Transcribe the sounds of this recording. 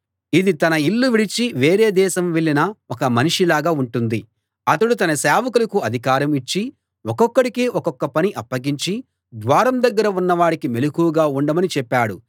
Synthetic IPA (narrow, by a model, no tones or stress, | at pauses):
id̪it̪ɐnɐilːuʋiɽit͡ʃiʋeːɾeːd̪ɛːʃɐmʋeɭːinɐɔkɐmɐniʂilaːɡaːuɳʈund̪i | ɐt̪ɐɽut̪ɐnɐsɛːʋɐkulɐkuɐd̪ʱikaːɾɐmit͡ʃːi | ɔkɔkːɐɽikiːɔkɔkːɐpɐniʔɐpːɐɡiɲt͡ʃi | d̪ʋaːɾɐmd̪ɐɡːɐɾɐunːɐʋaːɽikime̞lukuːɡaːuɳɖɐmɐnit͡ʃɛpːaːɽu